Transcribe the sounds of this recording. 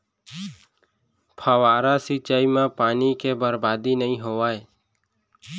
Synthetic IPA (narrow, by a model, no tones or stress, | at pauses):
pʰəʋaːɾasit͡ʃaːimãpaːnikebəɾbaːd̪inəɦĩɦoaːe